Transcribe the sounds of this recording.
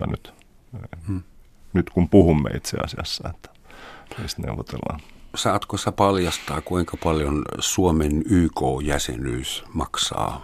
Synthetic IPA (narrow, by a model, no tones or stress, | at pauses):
ɑnyt̪ | e | nyt̪kumpuhumːḛit̪sḛɑ̰siɑsːɑet̪ːæ̥miːst̪nḛuʋot̪elːɑ̰ːnsɑːt̪kosi̥t̪æpɑljɑst̪ɑːkuiŋkɑpɑljonsuomenyːkoːjæsḛnyːsmɑksɑ̰ː